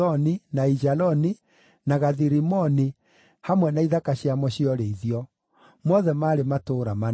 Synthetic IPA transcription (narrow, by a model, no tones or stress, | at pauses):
ɔninaid͡ʒalɔni | naɣaðiɾimɔni | hamwɛnaiðakaɕjamɔɕiɔɾeiðiɔ | mɔðɛmaːɾematoɾama